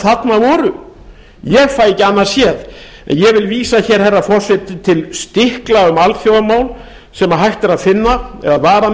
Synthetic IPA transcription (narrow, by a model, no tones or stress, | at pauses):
θat̪navɔːɾʏ | jɛɣfaːjɛcɪanːḁsjɛð | ɛ̰njɛɣvɪlviːsaçɛɾ̥hɛrːafɔr̥sɛt̪t̪ʰːɪlst̪ɪhklaʏmalθjoːwðamaːwl | sɛmaɦajht̪ɪɾaðfɪnːaɛ̰ðaðvaːɾa